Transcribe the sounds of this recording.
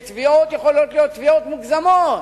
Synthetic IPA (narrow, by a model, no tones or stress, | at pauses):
t̪viot̪jeχolot̪lijot̪t̪ːviot̪muɡzamot